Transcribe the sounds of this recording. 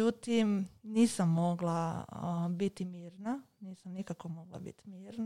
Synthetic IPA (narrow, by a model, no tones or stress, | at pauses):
ut̪imniːsamːo̞ɡlˠa | bit̪imiːɾnaniːsamnikakomo̞ɡlˠa̰bḭt̪i̥miːɾna